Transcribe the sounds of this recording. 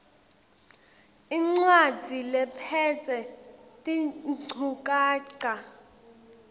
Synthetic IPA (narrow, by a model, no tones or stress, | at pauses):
iŋ͡ǀwad͡zʱilɛpʰɛt͡sʼɛtʼiŋ͡ǀʰʱukʼaːǀa